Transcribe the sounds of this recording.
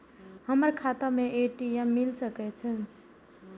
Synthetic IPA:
həməɾkʰat̪ameʔeʈiemːilsəkɛt͡ʃʰə̃

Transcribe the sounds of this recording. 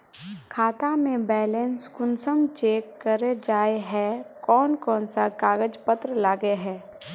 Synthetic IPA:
kʰaːt̪amẽbɛːleːnskʊnsəmt͡ʃeːkːəɾed͡ʒaːeɦɛkɔːnkɔːnsakaːɡəd͡ʒpət̪ɾəlaːɡeɦɛː

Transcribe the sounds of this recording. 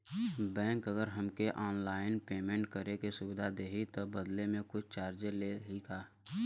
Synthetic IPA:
bɛ̃ːŋkəɡəɾɦəmkeʔɔːnlaːɪnpeːmẽːɳʈkəɾekesʊbɪd̪ʱad̪eːɦit̪obəd̪lemẽkʊt͡ʃʰt͡ʃaːɾd͡ʒeleɦikaː

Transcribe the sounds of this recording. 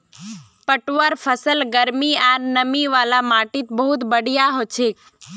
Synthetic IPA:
pəʈʋəɾfʰəsəlɡəɾmiaɾnəmiʋaːlamaːʈit̪bəɦʊt̪bəɽ̤ʱijaɦot͡ʃʰek

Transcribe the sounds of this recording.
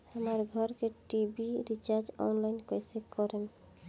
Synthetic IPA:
hamaɾɡʱɔɾkeʈibiɾit͡ʃaɾd͡ʒɔ̰nlajnkɔjsekɔɾen

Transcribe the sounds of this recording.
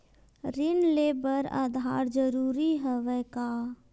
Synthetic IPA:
ɾinlebəɾa̰d̪ʱaɾd͡ʒəɾuːɾiɦəʋɛka

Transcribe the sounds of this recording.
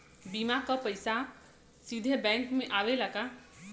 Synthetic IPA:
bimakʌpəjsa | sid̪ʱebɛŋkmeʔawelaka

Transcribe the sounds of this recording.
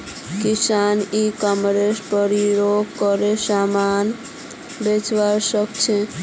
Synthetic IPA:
kisanikəmɾespəɾiɾoɡkɔɾesaman | bet͡ʃʋaɾsəkt͡ʃʰe

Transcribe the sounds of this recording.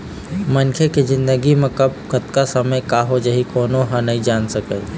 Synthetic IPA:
mɐnkʰekizɪ̃nd̪əɡimẽkɐb̚kɐt̪kasɐməjkaːɦod͡ʒɐɦikoːnoɦanəɦĩd͡ʒaːnsəkə̰

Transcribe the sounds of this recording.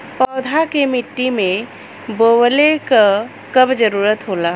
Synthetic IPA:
pɔːd̪ʱakemɪʈːimẽ | boːwleka | kəbd͡ʒəɾuːɾət̪ɦoːlaː

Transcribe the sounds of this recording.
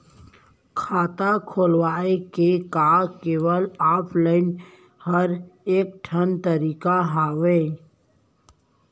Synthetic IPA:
kʰaːt̪akʰoːlwaːekekaːkeːʋəlaːpʰlaːɪn | həɾeːk̚ʈʰənt̪əɾiːkaɦaːʋeː

